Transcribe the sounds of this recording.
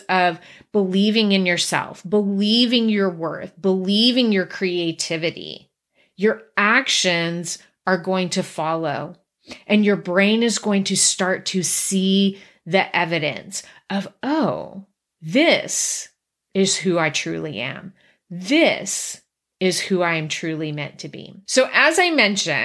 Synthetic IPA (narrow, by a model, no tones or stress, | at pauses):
ʌv | b̥əlivɪ̃ŋɨ̃njə˞sɛ̰lˠfb̥əlivɪ̃ŋjə˞wɜ˞θb̥əlivɪ̃ŋjə˞kʰɹ̥ieɪtʰɪvɨɾḭ | jə˞ækʃɨ̃nz | ə˞ɡoʊɪ̃ŋtʰɨfɑlˠoʊ | ʔɨ̃njə˞bɹẽɪ̃nɨzɡoʊɪ̃ŋtʰɨstɑɹtʰɨsi | ðiʔɛvɨɾɨ̰̃nsʔʌvoʊ | ðɪs | ɪz̥huaɪtʰɹ̥ʉ̰lˠḭʔɨ̰̃m | ðɪs | ɪz̥huaɪɨ̃mtʰɹ̥ʉlˠimɛ̰̃ntʰɨbḭsoʊʔɨzaɪmɛ̃nʃɨ̰̃